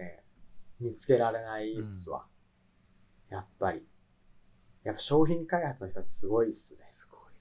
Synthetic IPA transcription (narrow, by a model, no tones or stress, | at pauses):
ḛmʲit͡sɨ̥ke̞ɾaɾe̞naissɨβa̰ | japːaɾʲi | japːaɕo̞ːçĩŋkaihat͡sɨnoçit̪oat͡ɕe̥sɨɡo̞isɨ̥